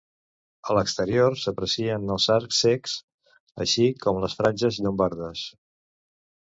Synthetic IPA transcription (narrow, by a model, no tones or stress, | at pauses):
ələkst̪əɾiorsəpɾəsiənəlzaɾkseks | ə̰ʃikʰɔmləsfɾanʲʒəziʎumbaɾðəs